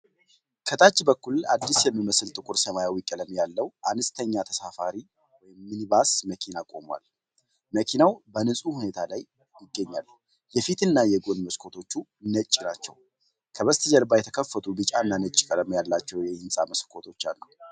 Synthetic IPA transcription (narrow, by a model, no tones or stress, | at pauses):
kʰət̪ʰʼat͡ʃːbəkːulad̪ːisjɛmːiməsɨlt̪ʼɨkʼʊɾsəmajawikʼələmjalːəwʔanɨst̪ʰəɲːat̪ʰəsafaɾi | wɔjɪmːɨniβasməkʰinakʼo̞mwa̰l | məkʰinawbənɨsʼuhune̞t̪ʰalaj | jɪɡːəɲːal | jɛfit̪ʰɨnːajɛɡo̞nməskʰo̞t̪ʰo̞t͡ʃːunət͡ʃʼːinat͡ʃːɛ̰w | kʰəβəst̪ʰɨd͡ʒəɾbajɛt̪ʰəkʰəfːət̪ʰubɨt͡ʃʼanːanət͡ʃʼːɪ̥kʼələmjalːat͡ʃːɛwjɛɨnsʼaməskʰo̞t̪ʰo̞t͡ʃːa̰lːəw